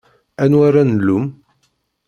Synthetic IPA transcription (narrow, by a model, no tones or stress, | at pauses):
ænwaɾanəlːum